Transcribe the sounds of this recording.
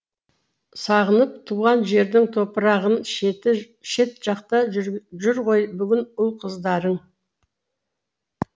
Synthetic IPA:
sɑʁənəp̚t̪ʰuʁɑnʒe̞ɾd̪ɪŋt̪ʰo̞pəɾɑʁən | ʃe̞t̪ʒ̥ɑqt̪ɑʒʏɾʁo̞jbʏɡʲɪnʊlˠqʰəzd̪ɑɾəɴ

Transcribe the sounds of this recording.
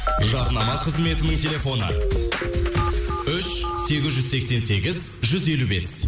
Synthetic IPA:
ʒɑɾnɑmɑqʰəzme̞t̪ɪnɪŋt̪ʲʰe̞lʲe̞fo̞nə̰ | ʏʃse̞ɡʲɪzʒʏzse̞kse̞nse̞ɡʲɪz | ʒʏze̞lube̞s

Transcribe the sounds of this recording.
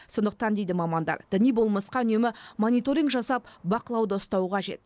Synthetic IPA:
so̞nd̪əq̚t̪ɑnd̪e̞jd̪ɪmɑmɑnd̪ɑ̰ɾd̪̥ɪnijbo̞lˠmɑsqɑʏne̞mɪmo̞nijt̪o̞ɾʲiŋkʒɑsɑp̚bɑqəlˠɑwd̪əʊst̪ɑwəqʰɑʒe̞̰t̪̚

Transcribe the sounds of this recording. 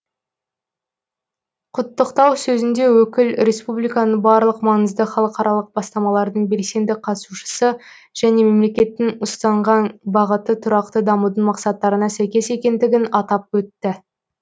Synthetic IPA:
qʰʊt̪ːəqt̪ɑwsɵzɪnd̪e̞wɵkʲɪlɾe̞spublˠijkɑnəɴbɑɾlˠəqmɑŋəzd̪əχɑlˠəqɑɾɑlˠəq̚bɑst̪ɑmɑlˠɑɾd̪əɴbe̞ɾse̞nd̪ɪqʰɑt̪suʃə̥sə | ʒ̥æne̞me̞mle̞kʲe̞t̪ːɪŋʊst̪ɑɴʁɑnbɑʁət̪ət̪ʰʊɾɑqt̪əd̪ɑmud̪ənmɑqsɑt̪ːɑɾənɑsæjkʲe̞se̞kʲe̞nd̪ɪɡʲɪnɑt̪ɑp̚wɵt̪ːɪ

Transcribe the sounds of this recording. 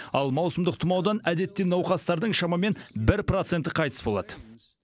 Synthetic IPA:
ɑlˠmɑwsəmd̪əq̚t̪ʰʊmɑwd̪ɑnæd̪e̞t̪ːenɑwqɑst̪ɑɾd̪əɴʃɑmɑme̞nbɪɾprot̪se̞nt̪əqʰɑjt̪ə̥sbolˠɑ̰d̪ə

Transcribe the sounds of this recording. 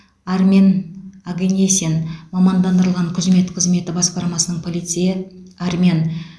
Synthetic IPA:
aɾmʲenaɡenʲesʲenmɑmɑnd̪ɑnd̪əɾəlˠʁɑɴkʲʰɪzme̞t̪qʰəzme̞t̪ɪbɑsqɑɾmɑsənəɴpʰo̞lˠijt̪sɨjɪaɾmʲen

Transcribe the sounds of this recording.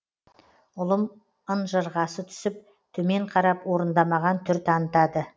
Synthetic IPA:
ʊlˠəm | ənʒəɾʁɑsət̪ʰʏ̥sɪp̚ | t̪ʰɵme̞ɴqʰɑɾɑpwo̞ɾənd̪ɑmɑʁɑnt̪ʰʏɾt̪ʰɑnət̪ɑd̪ə

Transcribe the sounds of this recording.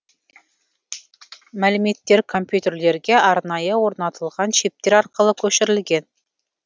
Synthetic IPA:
mælɘmet̪ːeɾkʰomʲpʲjut̪ʲerleɾɡʲeɑɾnɑjɤwoɾnɑt̪ʰɤ̆lˠʁɑnɕep̚t̪eɾɑɾqɤ̆lˠɤkɵʃɘ̆ɾɘ̆lɡʲen

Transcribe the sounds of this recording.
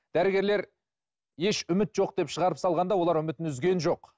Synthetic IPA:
d̪̥æɾɪɡʲe̞ɾle̞ɾ | je̞ʃʏmɪt̪ʒo̞q̚d̪̥e̞pʃəʁɑɾəpsɑlˠʁɑnd̪ɑwo̞lˠɑɾʏmɪt̪ɪnʏzɡʲe̞nʒo̞q

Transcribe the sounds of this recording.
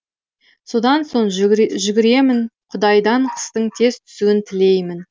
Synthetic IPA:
so̞d̪ɑnso̞ɴʒʏɡʲɪɾe̞mɪnqʰʊd̪ɑjd̪ɑɴqʰə̥st̪əɴt̪ʰe̞zt̪ʰʏ̥suwɪnt̪ʰɪle̞jmɪn

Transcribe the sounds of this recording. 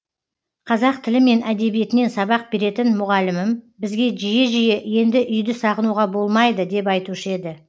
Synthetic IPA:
qʰɑzɑq̚t̪ʰɪlɪme̞nʔæd̪e̞bije̞t̪ɪne̞nsɑβɑq̚be̞ɾe̞t̪ɪnmʊʁɑlɪmɪmbɪzɡʲe̞ʒije̞ʒije̞je̞nd̪ɪʔʏjd̪ɪsɑʁənuʁɑbo̞lˠmɑjd̪əd̪e̞p̬ɑjt̪uʃəe̞d̪ɪ

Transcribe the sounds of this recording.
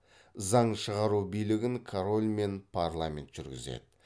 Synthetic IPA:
zɑɴʃəʁɑɾubijlɪɡʲɪŋkʰoɾolʲme̞npʰaɾlˠamʲe̞̰nt̪ʒ̥ʏɾɡʲɪ̰zḛd̪̥ɪ

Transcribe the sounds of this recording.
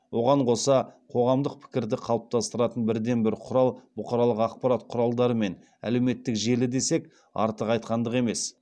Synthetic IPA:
wʔo̞ʁɑɴqʰo̞sɑqʰo̞ʁɑmd̪əq̚pʰɪ̥kʲɪɾd̪ɪqʰɑlˠəp̚t̪ʰɑst̪əɾɑt̪ənbɪɾd̪e̞nbɪɾqʰʊɾɑlˠbʊqɑɾɑlˠəqɑqpɑɾat̪qʰʊɾɑlˠd̪ɑɾəme̞n | æ̰le̞wme̞t̪ːɪkʒe̞lɪd̪e̞se̞k | ɑ̰ɾt̪əqɑjt̪qɑnd̪əʁe̞me̞s

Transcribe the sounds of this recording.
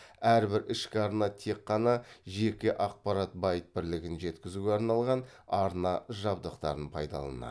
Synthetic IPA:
æɾbɪɾɪʃkʲɪɑɾnɑt̪ʰe̞qːɑnɑʒe̞kʲɪʔɑq̚pɑɾɑt̪̚bɑjət̪̚bɪɾlɪɡʲɪnʒe̞t̪kʲɪzuɡʲeɑɾnɑlˠʁɑnɑɾnɑʒɑbd̪əqt̪ɑ̰ɾənpʰɑ̰jd̪ɑ̰lˠɑ̰nɑ̰

